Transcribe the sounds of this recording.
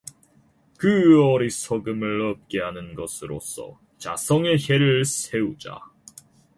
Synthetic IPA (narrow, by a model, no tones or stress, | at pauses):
kɯʌɾisʰʌɡɯmɯɭʌp̚k͈e̞ɦanɯnɡʌsʰɯɾo̰s͈ʰʌ̰ | t͡ɕa̰sʰʌŋe̞çe̞ɾɯɭsʰe̞ud͡ʑa̰